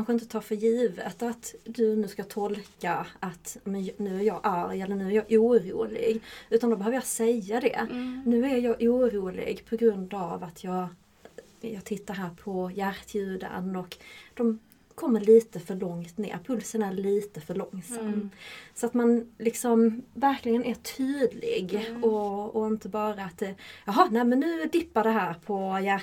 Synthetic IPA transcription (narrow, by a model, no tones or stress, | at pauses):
anɧəɪnt̪ət̪ʰɑːɾfœɾjiːvə̰t̪at̪d̪ɵnʉ̟ːskat̪ʰɔlkaat̪mɛnnʉ̟ːæɾjɑːʔaɾjɛlːəɳʉ̟ːæɾjɑːʔuːɾṵːlɪ̰ɡʉ̟ːt̪and̪ɔbɛɦøːvəjɑsɛjːad̪ɛ̰nʉ̟ːæɾjɑːʔuːɾuːlɪ̰ɡpʰɔɡɾɵnd̪avat̪ʰjɑːɡ | jɑːɡt̪ʰɪt̪ːaɾɦæːɾpʰɔjæɾt̪ʰjʉ̟ːd̪a̰nɔkd̪̥ɔm | kʰɔmːəɾɭiːt̪əfœɭɔŋt̪nḛːɾpʰɵlsənaæɾɭiːt̪əfœɭɔŋsamːsɔat̪manlɪksɔmvæɾklɪɡənæʈʰyːd̪lɪ̰ɡɔɔɪnt̪əbɑːɾaːt̪d̪ɛjɑɦɑnɛɪmɛnːʉ̟ːd̪ɪpːadɛɦæːɾpʰɔjæ